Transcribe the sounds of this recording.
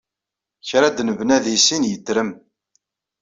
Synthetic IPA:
çɾad̪nəvnæðisinjət̪ːɾəm

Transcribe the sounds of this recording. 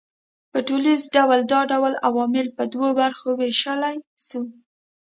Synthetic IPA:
pəʈulizɖawald̪ɑɖawalawɑmɪlpəd̪wobaɾxoweʃalajsu

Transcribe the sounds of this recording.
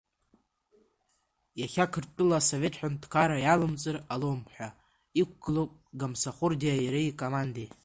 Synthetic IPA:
jaχʲakʰɨrtʼɨlaso̞ve̞tʰħʷᶣantkʰaɾajalɨmt͡sʼɨralomħʷᶣa | ik̚ʷʰɡ̥ɨlopʼɡamsaχʷʊrdijajaɾeikʼomande

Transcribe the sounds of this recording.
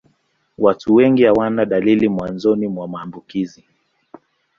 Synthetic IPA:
watuwɛŋɡihawanaɗalilimwanzɔnimwamaːmbukizi

